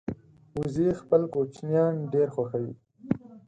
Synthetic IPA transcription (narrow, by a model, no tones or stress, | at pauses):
uzixpəlkot͡ʃnjɑːnɖeɾxwaxawi